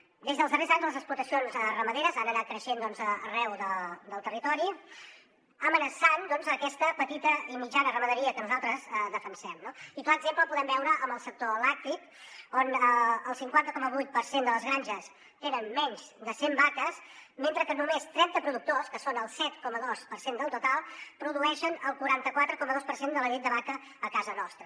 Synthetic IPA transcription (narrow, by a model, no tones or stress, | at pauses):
d̪ezðəlˠzðərezaɲzðələzəkspluɾt̪əsionzərəməðeɾəzanənat̪̚kɾəʃend̪ɔnzəːrɛwðəd̪əlˠt̪ərit̪ɔɾi | əmənəsand̪ɔnzəkɛst̪əpət̪it̪əimid͡ʒanərəməðəɾiəkənuzalˠt̪ɾəzəðəfənsɛmnoit̪oəɡzempləpuðɛmbɛwɾəʔəmbəlˠsək̚t̪oəlɛk̚t̪ik̚ | onəəlˠsiŋkwant̪əkɔməβujt̪̚pəɾsend̪ələzɣɾaɲʲʒəs | t̪enənmɛɲzd̪əsembakəsment̪ɾəkənumest̪ɾɛnt̪əpɾuðuk̚t̪oskəsonəlˠsɛt̪kɔməðospəɾsend̪əlˠt̪ut̪alˠpɾuðuɛʃənəlˠkuɾant̪əkwat̪ɾəkɔməðospəɾsend̪ələnit̪d̪əβakəː | kazənɔst̪ɾə